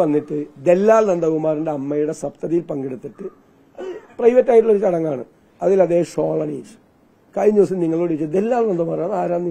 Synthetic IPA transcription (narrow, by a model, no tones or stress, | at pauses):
ʋɐnːiʈːɨd̪e̞lːaːlnɐnd̪ɐʋumaːɾuɳɖeɐmːɐjuɽe̞sɐpt̪ɐðijilpɐŋɡiɽut̪ːiʈːɨ | ɐðɨprɐjʋɐtːaːjiʈ̬ːuɭːoɾut̪ɐɽɐŋːaːɳɨ | ɐðilɐd̪eːɦɐmʂoːɭɐɳḭːtːu̥ | kɐjɲuːs̬iniŋːɐɭoːɽit͡ɕːɨd̪elːaːlnɐnd̪ɐmaːrɐðaːɾaːnːji